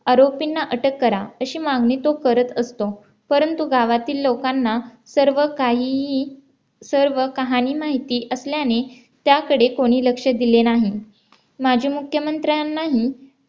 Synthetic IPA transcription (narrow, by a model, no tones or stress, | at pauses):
aɾopinːaʔəʈəkːəɾaəɕiːmaɡnit̪okəɾət̪əst̪o | pəɾənt̪uɡaʋat̪iːlːokanːa | səɾʋəkaɦi | səɾʋəkəɦaniːmaɦit̪iːʔəsljane | t̪jakəɽekoɽ̃iːləkʂəd̪ilenaɦi | mad͡ʑʱiːmukʰjəmənt̪ɾjanːaɦi